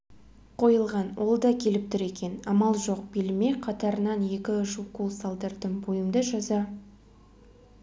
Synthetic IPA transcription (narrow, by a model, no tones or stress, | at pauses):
qʰo̞jəlˠʁɑnwʔo̞lˠd̪ɑkʲʰe̞lɪp̚t̪ɪɾe̞kʲe̞nɑmɑlˠʒo̞q̚b̥elme̞qʰɑt̪ɑɾənɑnje̞kʲɪʒukulˠsɑlˠd̪əɾd̪əɴbojəmd̪əʒɑzɑ